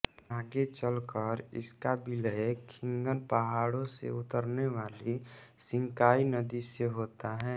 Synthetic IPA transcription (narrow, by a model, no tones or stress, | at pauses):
aːɡet͡ʃəlkəɾɪ̰skabɪləkʰɪ̃ŋɡənpəɦaːɽõsḛʊt̪əɾneʋaːlisɪ̃ŋkaːinəd̪iseɦoːt̪aɦɛː